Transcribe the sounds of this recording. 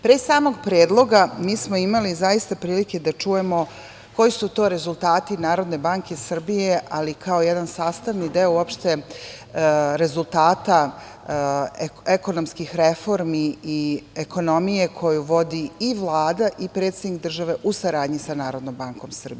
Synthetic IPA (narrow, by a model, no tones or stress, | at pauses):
pɾesaːmo̞ɡpɾeːd̪lˠo̞ɡamiːsmo̞imalizajist̪apɾiːlike̞d̪at͡ʃuje̞mo̞ | ko̞jisut̪o̞ːɾe̞zulˠt̪aːt̪inaːɾo̞d̪ne̞baŋke̞srbije̞ʔalikʰao̞jed̪ansaːst̪aʋnid̪eoopʃt̪e̞ | ɾe̞zulˠt̪aːt̪a | eko̞nomskixɾefo̞ɾmiː | eko̞no̞mijekʰo̞juʋo̞d̪iiʋlˠaːd̪aʔipɾet̪sed̪nik̚d̪r̩ʒaʋe̞ʔusaɾaːd̪ɲisanaːɾo̞d̪noːmbaŋko̞msr̩bie